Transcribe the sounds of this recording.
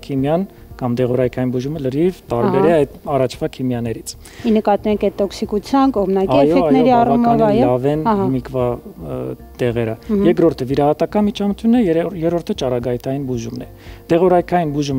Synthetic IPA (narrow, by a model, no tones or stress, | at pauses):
kʰimjɑn | kɑmd̪ɛʁɔɾɑjkʰɑjinbuʒumələɾivt̪ɑɾbɛɾɛɑjd̪ɑrɑt͡ʃʰvɑkʰimjɑnɛɾit͡sʰ | inəkɑt̪numɛkɛt̪ːɔksikut͡sʰjɑnkɔmnɑkjfɔɛnɛɾiɑrɑmɔvjjɔlɑvɛnmikʰvɑ | t̪ɛʁɛɾəjɛkɾɔɾt̪ʰəviɾɑɦɑt̪ɑkɑnmit͡ʃʰɑmət̪ʰjunːɛjɛɾɔɾt̪ʰət͡ʃɑɾɑɡɑjt̪ʰɑjinbuʒumnɛ | d̪̥ɛʁɔɾɑjkʰɑjinbuʒum